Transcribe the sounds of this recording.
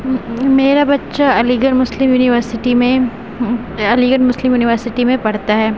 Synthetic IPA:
meːɾabɐtːʃaɐliɡənmʊslɪmjuːnɪʋəɾsɪʈimẽ | ɐliɡənmʊslɪmjuːnɪʋəɾsɪʈimẽpɐɽ̤t̪aɦɛː

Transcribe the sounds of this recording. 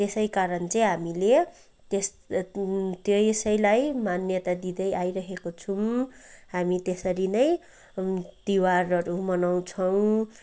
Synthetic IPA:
t̪esʌjkaɾʌnt͡sʌj̃ɦamile | t̪es | t̪jojsʌjlajmanjʌt̪ad̪id̪ʌjajɾʌɦekot͡sʰumhamit̪esʌɾinʌj | d̪̥iwarʌɾumʌnaw̃t͡sʰʌw̃

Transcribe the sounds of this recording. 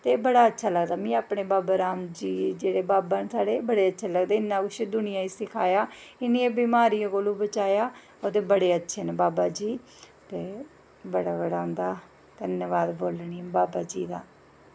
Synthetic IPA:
t̪eːbəɽaːətːʃʰaːləɡd̪aːmĩːaːpɳeːbaːbaːɾaːmd͡ʒiːd͡ʒeːɽeːbaːbaːnsaːɽeːbəɽeːətːʃʰaːləɡd̪eːɪnːãːkʊʃed̪ʊnɪjãːiːsɪkʰaːjaːɪniːeːbimaːɾijãkoːluːbət͡ʃaːjaː | ot̪eːbəɽeːətːʃʰeːneːbaːbaːd͡ʒiː | t̪eː | bəɽaːbəɽaːɦʊ̃nd̪aː | d̪̥ənjəʋaːd̪boːlɳiːbaːbaːd͡ʒiːd̪a̰ː

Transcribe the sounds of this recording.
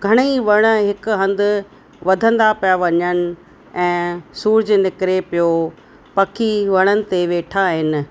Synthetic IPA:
ɡʱɐɽ̃iʋɐɽ̃ə̆ɦɪkɦɐ̃nd̪ʊ̆ | ʋɐd̪ʱə̃nd̪apijaʋɐɲəñɪ̆ | ɛ̃ːsuːɾd͡ʑnɪkɪɾepijo | pɐkʰiʋɐɽ̃ənɪ̆t̪eʋeːʈʰaɦɪnɪ̆

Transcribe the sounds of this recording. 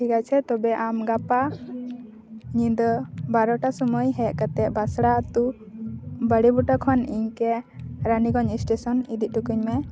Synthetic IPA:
iɡat͡ʃʰɛt̪ɔbɛʔamɡapa | ɲid̪ɔbaɾɔʈasɔməjɦɛʔkat̪ɛʔbasɽat̪u | bəɽibuʈɔkʰɔniɲkɛɾaniɡɔɲisʈesɔnid̪iʔ̪̚ʈukuɲmɛ

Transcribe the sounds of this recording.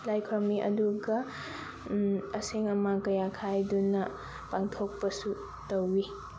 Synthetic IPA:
lajkʰɾomiʔɐ̰duɡɐ | ɐseŋɐmakɐjakʰajdunɐ | paŋtʰok̚pɐsu | tɐwi

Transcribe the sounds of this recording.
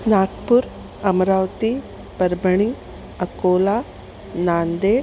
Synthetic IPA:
naːʈpuɾ | ɐmɐɾaːʋt̪i | pɐɾbɐɳiŋɡ | ɐkoːlaː | naːnd̪eː

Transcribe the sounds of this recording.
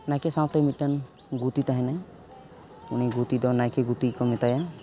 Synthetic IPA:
najkɛsãwt̪amit̪̚ːan | ɡut̪it̪aɦɛ̃naj̃ | uniɡut̪id̪ɔnajkɛɡut̪ikɔmɛt̪aja

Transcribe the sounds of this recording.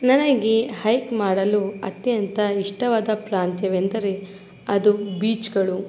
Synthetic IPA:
nɐnɐɡehɐjkmaːɽɐluɐ̰t̪jɐnt̪ʰɐiʂʈɐʋaːd̪ɐpɾaːnt̪jɐʋe̞nd̪ɐɾe | ɐd̪ubiːt͡ʃɡɐɭu

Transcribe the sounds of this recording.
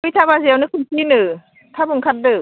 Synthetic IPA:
ɯjtʰabaziawnɯkʰɯnsʰinɯ | tʰabɯŋkʰat̚dɯ

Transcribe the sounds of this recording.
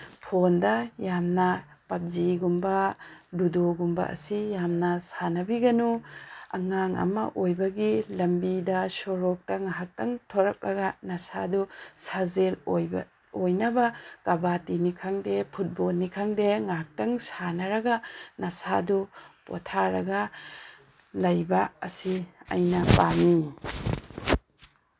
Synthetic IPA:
pʰondɐjamnɐpɐp̚ziɡumbɐdudoɡumbɐ̰ʔɐ̰sijamnɐsanɐbiɡɐnuɐ̰ŋaŋɐ̰mɐ̰ʔojbɐɡilɐmbidɐsɔɾɔk̚tɐŋaɦak̚tɐŋtʰɔɾɐk̚lʔɐɡɐnɐsadusazeloj | ojnɐbɐkɐbatinikʰɐŋdepʰut̚bolnikʰɐŋdeŋaɦak̚tɐŋsanɐɾɐɡɐnɐsadupo̰tʰaɾɐɡɐ | lɐjbɐɐsiɐ̰jnɐpami

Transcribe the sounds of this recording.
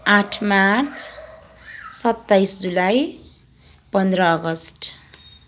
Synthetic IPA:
ãʈʰmaɾt͡sʰ | sʌt̪ːajsd͡zulaj | pʌnd̪ɾʌːɡʌsʈ

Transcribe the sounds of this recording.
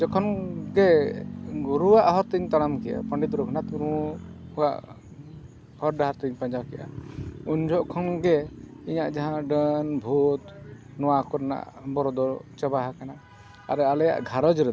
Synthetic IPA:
d͡ʒɔkʰɔnɡɛ | ɡɔɾuwaʔɦɔɾt̪əɲt̪aɽamkɛja̰pəɳɖit̪ɾɔkʰnat̪buɾuuwa̰ʔ | hɔɾɖaɦaɾt̪əɲpãɲd͡ʒawkɛja̰uɲd͡ʒʱɔʔkʰɔnɡɛiɲaʔd͡ʒaɦãɖənbʱut̪ | nɔwakɔɾna̰ʔbɔɾɔd̪ɔt͡ʃɛbaɦakana | a̰ɾalɛja̰ʔɡʱaɾɔd͡ʒɾɛd̪

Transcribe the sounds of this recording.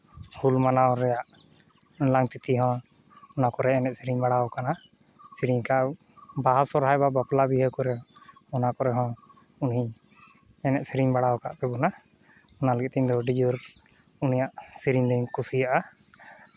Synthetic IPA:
hulmanawɾɛjaʔ | laŋt̪it̪iɦɔ̃ | ɔnakɔɾɛɛnɛt̪̚siɾiɲbaɽaɔkana | siɾiɲkaʔ | baɦasɔɾɦajbabaplabiɦəkɔɾɛɔnakɔɾɛɦɔ̃ | uniɲ | ɛnɛt̪̚siɾiɲbaɽawɔka̰ʔpɛbɔna | ɔnaləɡɛt̪t̪ɛɲd̪ɔɖid͡ʒuɾ | unijaʔsiɾiɲd̪ɛɲkusijaʔa

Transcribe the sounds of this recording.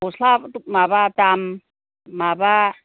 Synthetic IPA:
osɬabtuk̚mabat̪amː | aba

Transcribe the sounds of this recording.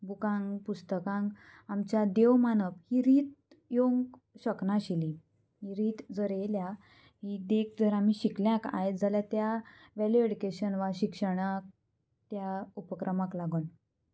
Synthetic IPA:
bukãŋɡpust̪əkãŋɡ | amt͡ɕad̪eʋmanəphiɾiːt̪̚ | joŋɡ | ɕəknaɕili | ɦiɾiːt̪d͡zəɾelja | ɦid̪ek̚ʰd͡zəɾam̤iɕikljãka̰jed͡zaljat̪jaʋɛlueɽikeɕənʋaɕikʂəɽ̃ak̚ | t̪jaupəkɾʔəmãklaɡun

